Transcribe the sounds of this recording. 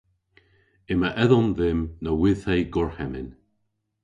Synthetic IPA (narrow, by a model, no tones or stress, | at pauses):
ɪməʔɛðɔnðɪmnəwɪð̥hejɡɔɹhɛmɪn